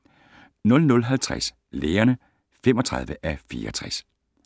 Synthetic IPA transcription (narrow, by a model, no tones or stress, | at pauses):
nɔ̽lnɔ̽lɦælt͡sʰʁa̰s | leːɐnə | femɒ̽t͡sʰʁɑ̈ð̞ˠʋəʔæfiːɐɒt͡sʰʁas